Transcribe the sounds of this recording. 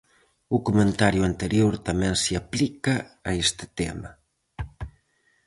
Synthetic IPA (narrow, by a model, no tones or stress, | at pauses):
ukumẽnt̪aɾjuant̪eɾjoɾt̪amɛnsiaplikaːest̪ə̥t̪ḛma